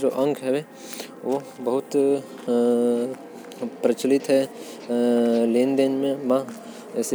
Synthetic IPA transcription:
d͡ʒoʔɐ̃ŋkʰɦɛe | ʋobɐɦʊt̪ | pɾət͡ʃlɪt̪ɦɛ | leːnd̪enmẽmã | ɛːs

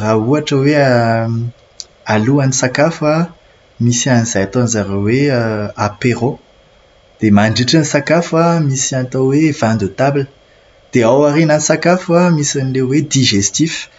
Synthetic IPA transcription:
rauaʈ͡ʂəwe | aluanisakafa | misianizajat̪onzaɾeweapeʁo | d̪̥emaɳɖ͡ʐiʈ͡ʂanisakafamisiant̪awev̥and̪ut̪ablə̥ | d̪̥eawaɾenanisakafuamisanilewwed̪iʒest̪if

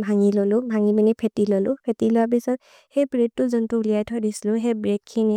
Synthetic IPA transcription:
bʱaŋilɔlʊbʱaŋibinipʰetilolʊpʰetilɔabisɔ | hejbɹed̚tʊzɔntuːlijajtʰɔdislʊɦebɹekʰːini

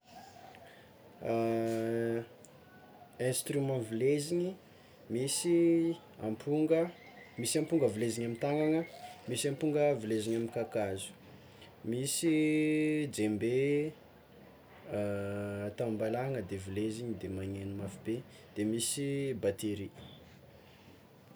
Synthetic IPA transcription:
ɛ̃st̪ɾymãvileziɲi | misi | ampʰuŋɡə | misiampuŋɡəvileziɲamint̪aŋaŋəmisiampuŋɡəvileziɲaminkakazu̥ | misi | d͡ʒembe | t̪ambalaŋəd̪evileziɲid̪emaɲenumafibe | d̪̥emisibat̪eɾi

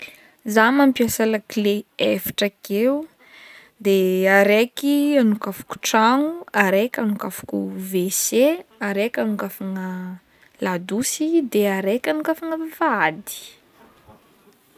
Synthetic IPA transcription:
zamampiasalakileefḁʈ͡ʂəkeu | d̪eaɾekianukafu̥ku̥ʈ͡ʂaŋuaɾekʲanukafu̥kuveseaɾekʲanukafaŋə | lad̪usid̪eaɾekʲanukafaŋəvad̪i̥

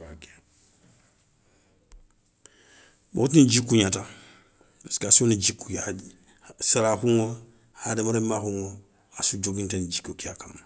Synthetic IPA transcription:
k | bo̰tind͡ʒikːuɲata | baskasuonid͡ʒikːua | saɾahuŋo | hademaɾemahuŋo | asud͡ʒoɡintand͡ʒikːokiakam

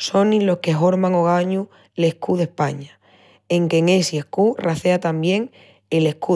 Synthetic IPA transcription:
so̞nĩlo̞hkeɦo̞ɾmaŋo̞ɣ̞aɲu | le̞hkuðe̞hpaɲa | e̞ŋke̞ŋe̞siehkuraθe̞at̪ambje̞ŋ | ele̞hku

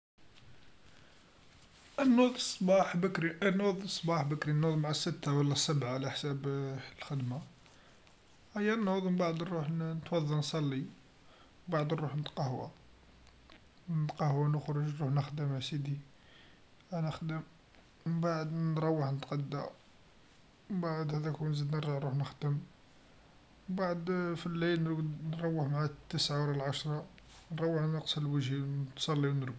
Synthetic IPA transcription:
ʔənːʊd̪ˤsˤːbɑħbəkɾiənːʊd̪ˤəsˤːbɑħbəkɾinːʊd̪ˤmaʕasːət̪ːawəlːæsːəbʕalæħsæblxəd̪ma | hæjːænːʊd̪ˤmbaʕd̪nɾuħnnət̪wɑðˤːɑnsˤɑlːi | baʕd̪nɾuħnət̪qɑhwæ̰ | nət̪qɑhwænəxɾˤʊʒɾuħnəxd̪əmasid̪i | ænəxd̪əm | baʕəd̪nɾˤɑwːəħnət̪qɑd̪ːæ | baʕəd̪hæd̪ækunzid̪nəɾʒəʕɾuħnəxd̪əm | baʕəd̪filːilnɾɡnɾˤɑwːəħmʕat̪ːəsʕawɾælʕaʃɾˤɑnɾˤɑwːəħnəqsəlwəʒint̪sˤɑlːiwnəɾɡ̪

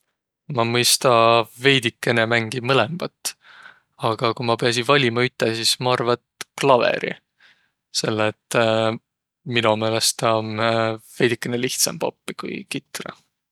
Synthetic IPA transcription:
mɑmɤjst̪ɑve̞jd̪ikːe̞ne̞mæŋɡ̥imɤlemb̥ɑt̪ːˑ | ɑɡ̥ɑkumɑpe̞ɑs̬ivɑlʲimɑyt̪ːˑesismɑɑrvɑt̪klɑvḛɾʔḭ | se̞lːet̪ːˑ | minume̞ːle̞st̪onve̞jd̪̥ikːˑeneliht̪sɑ̰mpopːikṵjkit̪ːˑrɑ̰

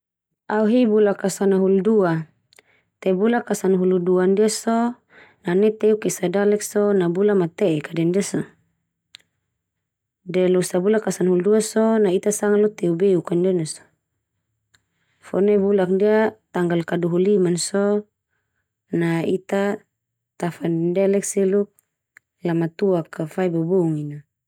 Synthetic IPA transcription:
auɦibulakasanaɦuludua | t̪ɛbulakːasanɦuluduandiaso | nanɛt̪eukɛsadalɛksɔnabulamat̪ɛʔːkadɛndiasɔ | dɛlusabulakasanɦulduasɔnait̪asaŋalɔt̪eubeukandɛnasɔ̥ | fɔ̰nɛbulak̚diat̪aŋɡalkaduɦulimansɔ | nait̪a | t̪afanndɛlɛk̚siluk̚ | jamat̪uakafaibobouŋina

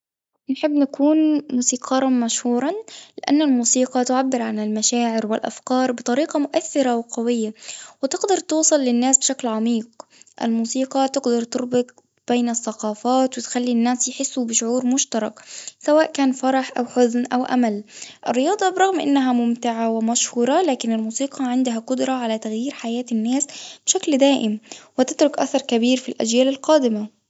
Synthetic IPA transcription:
nħɪbːnakuːnmuːsiːqʰɑɾˤɑmaʃhuːɾˤɑlɪʔa̰nːalmuːsiːqɑt̪ʊʕabːɪɾʕanɪlmaʃaːʕɪɾwɪlʔa̰fkɑːɾˤbɪt̪ˤɑɾiːqɑmʊʔaθːɪɾawqɑwɪjːawɪt̪ɪɡd̪ɑɾˤt̪uːsˤɨlːɪnːaːsbɪʃaklʕamiːqʔɪ̰lmuːsiːqɑt̪ɪɡd̪ɑɾˤt̪ʊɾbɪt̪̚ | b̥eːnɪθːaqɑːfɑːt̪wɪt̪xalːinːæːsjħɪsːʊbɪʃʊʕuːɾmʊʃt̪ɑɾˤɑksawaːʔkaːnfɑɾˤɑħʔa̰wħʊðnʔawʔa̰malʔɪ̰rːɪjɑːd̪ˤɑbɾˤɑɣmʔɪ̰nːaɦamʊmt̪ɪʕawɪmaʃhuːɾˤɑlaːkɪnɪlmuːsiːqʰɑʕɪnd̪ʊɦaqʊd̪ɾˤɑʕalat̪aɣjiːɾħajaːt̪ɪnːaːsb̥ɪʃakld̪aːʔɪmwɪt̪ɪt̪ɾʊkʔa̰θɑɾˤkabiːɾfilʔæ̰d͡ʒjaːlɪlqɑːd̪ɪma

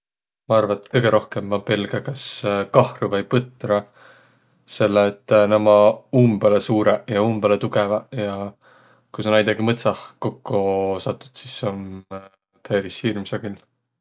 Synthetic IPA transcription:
mɑɑrvɑet̪kɤjɡe̞ɾʔo̞hke̞mːɑpelɡ̥ɑkɑskɑhruvɤjpɤt̪rɑ | se̞lːeːt̪ːˑnæmɑuːmbelesuːɾejɑuːmb̥elet̪uɡevɑjɑ | kusɑnæjd̪̥ɑɡimɤt̪sɑhko̞kːosɑt̪ːˑu̥d̪̥sison | pʰe̞ːɾishiːrmsɑɡ̥il

